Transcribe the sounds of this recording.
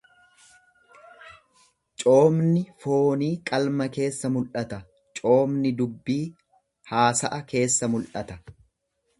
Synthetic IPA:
t͡ʃʼo̞ːmnɪfo̞ːniːkʼɐlmɐke̞ːsːɐmʊlʔɐt̪ɐ | t͡ʃʼo̞ːmnɪd̪ʊbːiː | haːsɐʔɐke̞ːsːɐmʊlʔɐt̪ɐ

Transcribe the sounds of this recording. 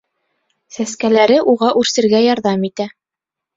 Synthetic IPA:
sæskælæɾɘʔuʁɑʔʉɾsɘ̆ɾɡæjɑɾðɑmit̪æ

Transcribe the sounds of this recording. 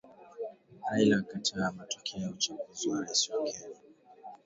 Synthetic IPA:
hajlakatʰamatɔ̥kʰɛɔut͡ʃuŋɡuziwaɾasiɔkʰɛli

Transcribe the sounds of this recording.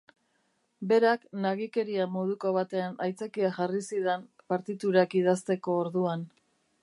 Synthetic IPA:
be̞ɾaknaɣike̞ɾiamo̞ð̞uko̞βat̪e̞anajt͡sakiaʝarisiðem | paɾt̪it̪uɾakiðast̪e̞ko̞ːɾðuan

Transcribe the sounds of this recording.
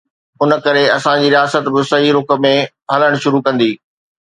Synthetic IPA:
ʊn̆kɐɾeɐsãd͡ʑiːɾijaːsət̪bɪsɐɦiɾʊkə̆mẽ | ɦɐləɽ̃ʃʊɾukɐ̃nd̪iː

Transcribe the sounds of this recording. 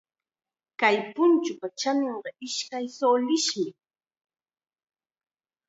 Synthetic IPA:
kajpʊnt͡ʃʊpat͡ʃameɴɢɑʔɪʃkajsoːlɪʃmɪ

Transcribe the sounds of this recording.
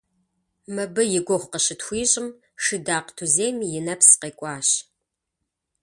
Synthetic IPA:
mɐbɨjɪɡʷɔχʷqəɕɪtxʷiːɕʼɪm | ʂɨdaːqtʰuzeːmijɪnɐpsqeːkʷʼɑːɕ

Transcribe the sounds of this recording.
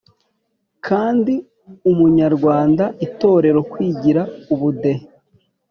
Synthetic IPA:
kʰaːndi | umuɲaɾɡwaːndaʔito̞ːɾe̞ɾo̞kwiːɟiɾauβude̞he

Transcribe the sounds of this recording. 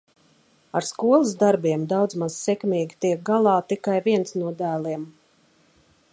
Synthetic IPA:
aɾskuɔlˠɨs̬d̪aɾbiɛmd̪awd̪zmaz̥sɛkmʲiːɡʲit̪iɛk̚ɡalˠɑːt̪ikajviɛnsnuɔd̪æːlˠiɛm

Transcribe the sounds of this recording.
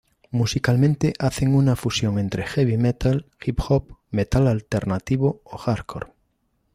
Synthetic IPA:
musikalmẽnt̪eʔaθeŋunafusjõŋẽnt̪ɾexeβimet̪alxipxop̚met̪alalt̪eɾnat̪iβooxaɾkʰo̰ɾ

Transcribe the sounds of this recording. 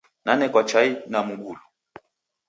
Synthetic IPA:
nanɛkwat͡ʃainamuɡulu

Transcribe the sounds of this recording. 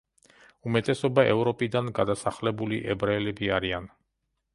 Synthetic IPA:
umɛt̪ʼɛsɔbaʔɛvɾɔpʼid̪anɡad̪asaχlɛbuliʔɛbɾalɛbiaɾian

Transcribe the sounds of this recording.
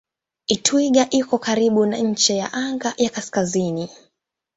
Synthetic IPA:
itʰwiɠaʔikɔkaɾiɓunaɲ̩t͡ʃɛjaʔaŋɡajakaskazini

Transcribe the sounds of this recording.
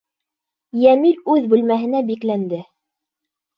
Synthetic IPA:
jæmilʉðbʉlmæɦɘ̆næbiklænd̪ɘ

